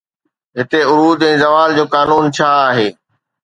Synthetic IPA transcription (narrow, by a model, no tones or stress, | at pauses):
ɦɪt̪eʊɾuːd̪ɛ̃ːzɐʋaːld͡ʑoːkaːnuːnt͡ɕʰaːaːɦeː